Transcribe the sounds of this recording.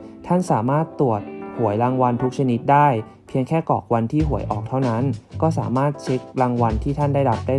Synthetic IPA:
t̪ʰa˥˩nsaː˩˦maː˥˩t̪ːu˨˩ət̪̚hu˨˩˦əjɾaː˧ŋwa˧nt̪ʰu˦˥k̚t͡ɕʰa˧ni˦˥t̪̚daː˥˩j | pʰi˧əŋkʰɛː˥˩kɔ̰ː˨˩k̚wa˧nt̪ʰiː˥˩ɦu˨˩˦əjʔɔː˨˩k̚t̪ʰa˥˩wna˦˥nkɔː˥˩saː˩˦maː˥˩t̪̚t͡ɕʰe˦˥k̚ɾaː˧ŋwa˧nt̪ʰiː˥˩t̪ʰa˥˩ndaː˥˩jda˨˩p̚daː˥˩

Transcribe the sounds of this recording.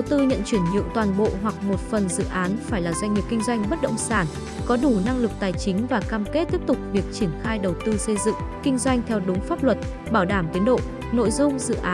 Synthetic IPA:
ɗə˨˩wt̪ɨ˧ɲə̰˧˨nt͡ɕwi˧˩ənɲɨ̰˧˨əŋt̪waː˨˩nɓo̰˧˨ɦwa˨˩k̚mo˨˩t̚fə˨˩nzɨ̰˧˨ʔaː˨˦nfaː˧˩jlaː˨˩zwa˧jŋ̟ŋi˨˩p̚kï˧ŋ̟zwa˧jŋ̟ɓə˦˥t̚ɗə̰˧˨wŋ͡msaː˧˩n | kɔ˨˦ɗu˧˩na˧ŋlɨ˨˩k̚t̪aː˨˩jt͡ɕï˨˦ŋ̟vaː˨˩kaː˧mke˦˥t̚t̪i˦˥əp̚t̪ʊ˨˩k͡p̚vi˨˩ək̚t͡ɕi˧˩ənxaː˧jɗə˨˩wt̪ɨ˧sə˧jzɨ̰˧˨ŋkï˧ŋ̟zwa˧jŋ̟t̪ʰɛ˧wɗʊ˨˦ŋ͡mfaː˦˥p̚lwə˨˩t̚ | ɓaː˧˩wɗaː˧˩mt̪i˨˦nɗo̰˧˨ | no̰˧˨jzʊ˧ŋ͡mzɨ̰˧˨ʔaː˨˦

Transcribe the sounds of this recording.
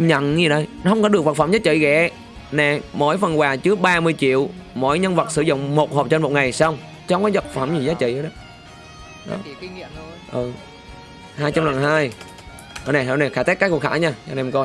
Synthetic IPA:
ɲə̰˧˨nzi˨˩nə˧˩jn˨˦hə˧wŋ͡mkɔ˨˦ɗk̚və˨˩t̚fə˧˩mzaː˨˦˥t͡ɕḭ˧˨ɣɛ̰˧˨˩ | nɛ˨˩mo̰˧˥jfə˨˩nkwaː˨˩t͡ɕɨ˨˦əɓaː˧mɨ˧əjt͡ɕḭ˧˨əwmo̰˧˥˨jɲə˧nvə˨˩t̚sɨ̰˧˩zʊ̰˧˨ŋ͡mmo˨˩t̚ho˨˩p̚t͡ɕe˧nmo˨˩t̚ŋa˨˩jsa˧wŋ͡m | t͡ɕɔ˧wŋ͡mkaː˨˦və˨˩t̚fə˧˩mzi˨˩zaː˨˦t͡ɕḭ˧˨ʔɗə˨˦ | ɗɔ̰˨˦ | ʔɨ˨˩ | haː˧jt͡ɕa˧mla˨˩ŋɦaː˧j | ə˨˩nɛ˨˩hɔ˧˩nɛ˨˩xaː˧˩t̪a˦˥kːku˧˩kxʰaː˧˩ɲaː˧nɛ˨˩m˨˩kɔ˧j

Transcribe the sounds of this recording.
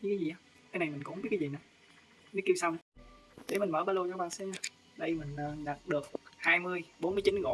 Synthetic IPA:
ɲi˧˦ka˨˦zi˨˩ʔaː˨˧˦ | kaː˧jna˨˩jmi˨˩ŋ̟kʊ̰˧˥ŋ͡mmi˦˥t̚kːa˨˦zi˨˩na˨˩ | ne˨˦˥ki˧wsa˧wŋ͡m | ɗe˨˩˦mi̟˨˩məː˧˦ɓaː˧lo˧t͡ɕɔ˧ɓaː˧˩nsɛ˧˦na˨˩ | ɗə˧jmï˨˩ŋ̟ə˨˩ɗa˨˩t̚ɗɨ˨˩ək̚haː˧jmɨ˧əjɓo˨˥nmɨ˧ət͡ɕi˨˦nɣo̰˧˦

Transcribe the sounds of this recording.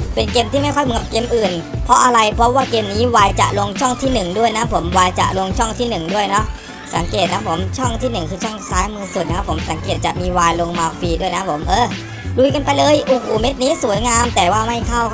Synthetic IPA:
pe˧nkeː˧mt̪ʰiː˥˩ma˥˩jkʰɔ˥˩jm˧ŋka˨˩p̚keː˧mʔɯː˨˩npʰɾɔ˦˥ʔa˧ɾa˧jpʰɾɔ˦˥waː˥˩keː˧mniː˦˥waː˧jt͡ɕa̰˨˩ʔlo˧ŋt͡ɕʰɔ˥˩ŋt̪ʰiː˥˩nɯ˨˩ŋdu˥˩əjna˦˥pʰo˩˦mwaː˧jt͡ɕa̰˨˩lo˧ŋt͡ɕʰɔ˥˩ŋt̪ʰiː˥˩nɯ˨˩ŋdu˥˩əjnɔ˦˥ʔ | sa˩˦ŋkeː˨˩t̪̚na˦˥pʰːo˩˦mt͡ɕʰɔ˥˩ŋt̪ʰiː˥˩nɯ˨˩ŋkʰɯː˧t͡ɕʰɔ˥˩ŋsaː˦˥jmɯː˧su˨˩t̪̚na˦˥ka˦˥pʰːo˩˦msa˩˦ŋkeː˨˩t̪̚t͡ɕa˨˩ʔmiː˧waː˧jlo˧ŋmaː˧fiː˧du˥˩əjna˦˥pʰo˩˦mʔɤː˧˩ | ɾu˧jka˧npa˧jlɤː˧jʔo˨˩hoː˨˩me˦˥t̪̚niː˦˥su˨˩˦jŋaː˧mt̪ɛː˨˩waː˥˩ma˥˩jkʰa˥˩w

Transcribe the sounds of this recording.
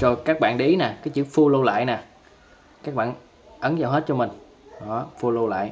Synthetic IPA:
so˧˩kaː˦˥k̚ɓa̰ː˧˨nɗe˧˨ʔi˨˦naː˨˩kaː˨˦jt͡ɕɨ˧˦fu˧lo˧la̰ː˧˨jnaː˨˩ | kaː˦˥k̚ɓa̰ː˧˨n | ʔə˨˦nzaː˨˩wɦe˦˥t̚t͡ɕɔ˧mi˨˩ŋ̟ | ɗɔ˨˦fu˧lo˧la̰ː˧˨j

